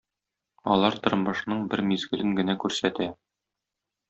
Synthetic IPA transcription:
ɒ̰lˠɑɾt̪ŏɾɤmɤ̆ʃnɤɴbɘɾmizɡɘ̆lɘŋɡɘ̆nækʉɾsæt̪æ

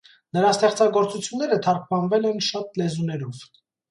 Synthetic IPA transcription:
nəɾɑst̪ɛχt͡sɑɡɔɾt͡sut͡sʰjunːɛɾət̪ʰɑɾk̚ʰpʰɑnvɛlɛnʃɑt̪lɛzunɛɾɔv̥

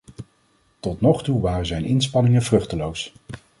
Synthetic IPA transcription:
tɔtnɔχtuʋaːrəzɛjnɪnspɑnɪŋənvrɵχtəlows

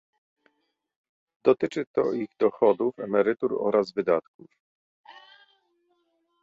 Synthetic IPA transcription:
d̪̥ɔt̪ɘt͡ʂɘt̪ɔ̰iɣd̪ɔxɔd̪ufɛmɛɾɘt̪uɾɔ̰ɾʔazvɘd̪at̪kuf

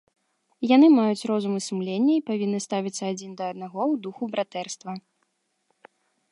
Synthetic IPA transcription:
janɨmajut͡sʲrɔzumɨsumlʲenʲːɐipavʲinːɨst̪avʲit̪sːɐad͡zʲind̪ɐːd̪̚naɣɔwd̪uxubɾat̪ɛrst̪vɐ

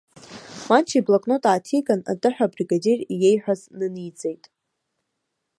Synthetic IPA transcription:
mant͡ʃʰiblakʼnotʼaːtʰikʼana̰tʼɨħʷᶣabriɡade̞rije̞jħʷᶣaznɨnit͡sʼe̞jtʼ

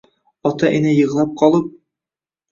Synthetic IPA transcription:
ɒt̪ɑʔinɘjɤ̆ʁlˠɑp̚qʰɒlˠɤp̚

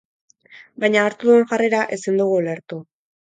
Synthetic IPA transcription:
bajɲaːɾt̪uðue̞nʝareɾaʔesind̪uɣ̞uole̞ɾt̪u

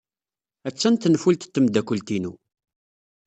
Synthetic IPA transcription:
æt͡sːænt̪nfult̪t̪ːəmd̪ækːəlt̪inṵ

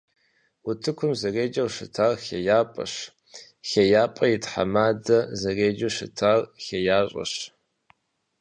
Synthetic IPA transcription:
ʊtʰɨkʷʰʊmzɐreːd͡ʒɐwʂɨtʰaːrxejaːpʼɐ̰ɕ | xejaːpʼɐjɪtħa̰maːdɐzɐreːd͡ʒuɕɪtʰaːrxejaːɕʼɐ̰ɕ

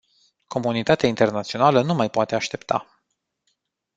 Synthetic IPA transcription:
kʰo̞munit̪at̪eaint̪e̞rnat̪sio̞nalənumajpoat̪eaʃt̪e̞pt̪a̰

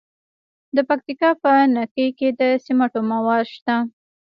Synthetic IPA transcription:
d̪əpak̚t̪ikɑpənakəjked̪əsimaʈomawɑd̪ʃt̪a

